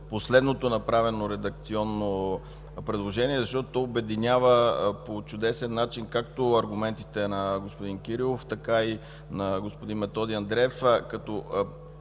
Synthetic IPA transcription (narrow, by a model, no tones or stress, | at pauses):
poslɛd̪not̪onɐpɾavɛnoɾɛd̪ɐk̚t̪siɔnːo | pɾɛd̪lˠoʒɛniɛzɐʃt̪ɔt̪ot̪ɔobɛd̪inʲavəpot͡ʃʊd̪ɛsɛnːat͡ʃinkakt̪oɐɾɡʊmɛnt̪it̪ɛnɐɡospod̪ink̟iɾilˠoft̪ɐkai | nɐɡospod̪inmɛt̪ɔd̪iɐnd̪ɾɛfkɐt̪ɔ